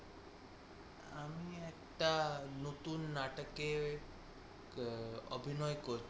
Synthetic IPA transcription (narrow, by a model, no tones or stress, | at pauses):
amiekʈanut̪unːaʈəke | ɔ̰bʱinɔjkɔɾʰ